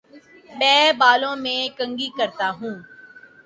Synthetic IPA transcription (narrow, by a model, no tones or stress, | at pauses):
mɛ̃ːbaːlõːmẽːkə̃ŋɡiːkəɾt̪aːɦũː